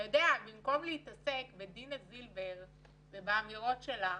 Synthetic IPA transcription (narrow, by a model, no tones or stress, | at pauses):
jodeabimko̞mlehit̪ase̞kbedinazilbeʁ | vebaːmiʁo̞tʃela